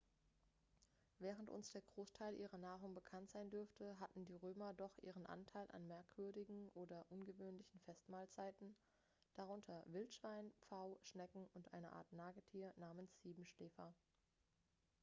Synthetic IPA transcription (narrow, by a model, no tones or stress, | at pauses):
vɛːʁ̞əntʔʊ̰nsd̥eːɐɡʁoːstʰaɪlʔiːʁɐnaːʁʊŋbəkʰantz̥aɪndʏɐftʰəɦatn̩diːʁøːmɐdɔχʔḭːʁ̞ənʔa̰ntʰaɪlʔa̰nmɛɐkv̥ʏɐdɪɡŋ̩ʔoːdɐʔʊnɡəvøːnlɪçn̩fɛstmaːlt͡saɪtn̩ | d̥aʁ̞ʊntʰɐvɪltʃv̥aɪnpp͡faʊʃnɛkŋ̩ʊntʔa̰ɪnə̰ʔa̰ːɐtnaːɡətʰiːɐnaːmənsz̥iːbm̩ʃlɛːfɐ